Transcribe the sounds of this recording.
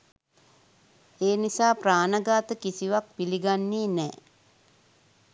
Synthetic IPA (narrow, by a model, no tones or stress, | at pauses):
eːnisaːpraːnəɡaːt̪əkisiʋak̚piliɡanːeːnɛː